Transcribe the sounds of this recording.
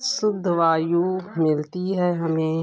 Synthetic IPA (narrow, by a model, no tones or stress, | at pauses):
sʊd̪ʱːʋaːjumɪlt̪iɦɛːɦɐmẽː